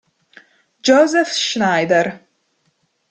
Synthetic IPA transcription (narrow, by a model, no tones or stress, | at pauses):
d͡ʒozɛfʃnaːjd̪ɛr